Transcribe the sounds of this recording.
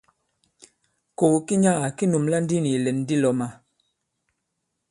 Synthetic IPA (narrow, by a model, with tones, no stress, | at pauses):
ko˨ki˦ɲa˦a˨ki˦nu˨mla˦n˦di˦ni˨lɛ˨n˦di˦lɔ˨ma˨